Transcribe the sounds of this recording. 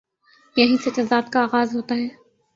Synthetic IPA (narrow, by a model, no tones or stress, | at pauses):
jɐɦĩset͡ʃɐd̪aːd̪kaaːɣaːzɦoːt̪aɦɛː